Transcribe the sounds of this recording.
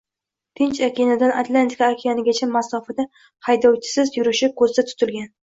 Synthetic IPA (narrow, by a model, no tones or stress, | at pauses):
t̪ʰɪnt͡ʃakʲʰejnɪd̪anat̪ʰlˠant̪ʰi̥kʰaːkʲʰijanɪɡʲat͡ʃʰamasɒfad̪a | hajd̪ɒwt͡ʃʰɪ̥sɪzjʊɾɪʃɪkʰɵzd̪at̪ʰʊ̥t̪ʰɪlɡʲan